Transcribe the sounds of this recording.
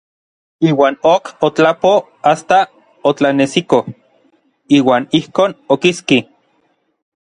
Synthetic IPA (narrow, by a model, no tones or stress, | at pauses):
iːwaːnokot͡ɬapo | ast̪a | ot͡ɬanesiko | iːwaːnihkoːnokiski